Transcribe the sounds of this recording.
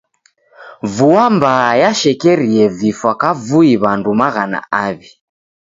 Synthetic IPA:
vuambajaʃɛkɛɾiɛvifwakavuiβandumaɣana̰aβi

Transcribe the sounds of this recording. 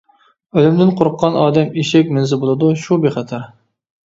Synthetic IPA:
ølymd̪ɪnqʰoɾʊqːɑnɑːd̪ɛmiʃɛk̚ʲmɪnzɪbolˠɨd̪uʃubeχɛt̪ʰɑɾ

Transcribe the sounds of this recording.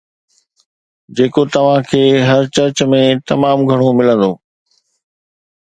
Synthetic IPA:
d͡ʑeːkot̪ɐʋ̤ãkʰeːɦɐɾt͡ɕɐɾt͡ɕmẽt̪ɐmaːmɡʱɐɽ̃omɪlə̃nd̪oː

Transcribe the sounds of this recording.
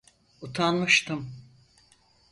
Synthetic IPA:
ut̪ʰanmɯʃt̪ʰɯm

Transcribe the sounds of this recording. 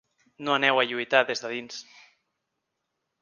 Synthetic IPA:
noanɛwaʎuit̪aðezðaðins

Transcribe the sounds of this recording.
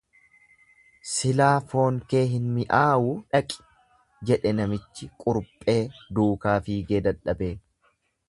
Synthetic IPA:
sɪlaːfo̞ːŋke̞ːɦɪnmɪʔaːwuːᶑɐkʼɪ̥ | d͡ʒɛᶑɛnɐmɪt͡ʃːɪkʼʊɾpʼe̞ːd̪uːkaːfiːɡeːd̪ɐᶑːɐbe̞ː

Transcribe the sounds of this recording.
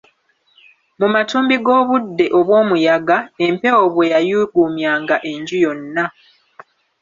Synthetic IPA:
mumatuːmbiɡo̞ːβudːe̞ʔo̞βwo̞ːmujaɡaempe̞woβwejajuɡumjaːŋɡaʔe̞ɲɟujo̞nːa

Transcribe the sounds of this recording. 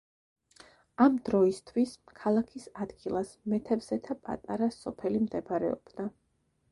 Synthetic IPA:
amd̪ɾɔist̪ʰwiskʰalˠakʰisad̪̥ɡilˠasmɛt̪ʰɛbz̥ɛt̪ʰapʼa̰t̪ʼa̰ɾasɔpʰɛlimd̪ɛpaɾɛ̰ɔ̰b̥d̪a

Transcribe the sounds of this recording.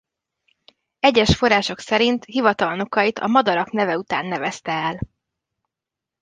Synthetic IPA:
ɛɟːɛʃfo̞raːʃo̞ksɛɾint̪hivɒt̪ɒlnokɒjit̪ʰɒ̰mɒd̪ɒɾɒknɛvɛut̪a̰ːnːɛvɛst̪ɛɛl

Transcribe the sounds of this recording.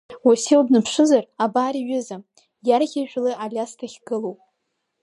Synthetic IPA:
wasewdnɨpʰʂʷɨzarabaːɾiɥʏzam | jarɣʲaʒᶣlɨʔalʲastʰaχʲɡɨlowpʼ

